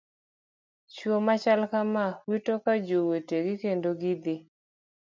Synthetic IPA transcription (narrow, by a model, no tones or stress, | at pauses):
t͡ʃomat͡ʃalkamawitɔkad͡ʒoweteɡɪkendoɡɪd̪ɪ